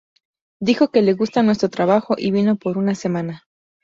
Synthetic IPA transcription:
d̪ixo̞ke̞le̞ɣust̪anwe̞s̬t̪ɾo̞t̪ɾaβaxo̞ʔiβino̞po̞ɾunase̞mãna

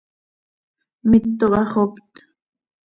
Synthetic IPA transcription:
mɪt̪ːoʔɑχopt̪

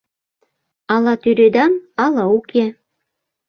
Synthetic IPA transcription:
ɑlɑt̪yɾed̪ɑnɑlˠɑukʰe

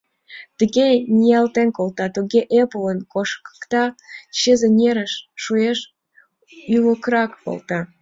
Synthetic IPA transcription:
t̪əɣenʲijɑlt̪enkolt̪ɑt̪uɣeʔepələnkoʃkə̥kt̪ɑɕezenʲeɾəʃːueʃ | yləkɾɑkpo̰lˠt̪ɑ

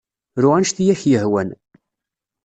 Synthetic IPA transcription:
ɾʊʁænʃθijæçjəɦwæn

